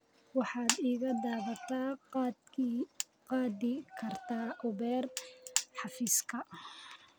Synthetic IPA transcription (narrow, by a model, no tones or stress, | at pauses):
wɑħɑːd̪iːɣɐd̪aːβɐt̪ʰaː | qɑːd̪ɪkʰɐrt̪ʰaːʔʊβɛːrħɑfiːskʰɐ